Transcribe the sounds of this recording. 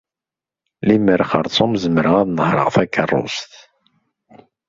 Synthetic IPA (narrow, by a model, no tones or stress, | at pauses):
liməɾχə̰ɾˤt͡sˤomzəməɾəʁæðnəhɾˤə̰ʁfækːərˤːʊ̰st̪